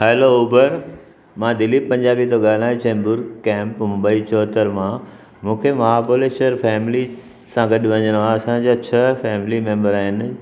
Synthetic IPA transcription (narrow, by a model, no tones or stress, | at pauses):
hɛːlouːbəɾ | mãd̪ɪlipɐ̃ɲd͡ʑaːbit̪oɡaːñaːɦĩt͡ɕɛ̃ːmbʊɾkɛ̃ːmpmʊbaːit͡ɕɔːt̪əɾmã | mũːkʰemɐɦaːpuleːʃəɾfɛːmɪli | sãɡɐɗɪʋɐɲəɽ̃ʋãɐsãd͡ʑaːt͡ɕʰɐfɛːmɪlimẽːmbəɾaːɦɪnɪ̆